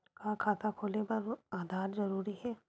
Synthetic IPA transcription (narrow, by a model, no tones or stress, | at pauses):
kakʰaːt̪ʰakʰoːlepɐɾaːd̪ʱaːɾzɐɾuːɾiɦɛː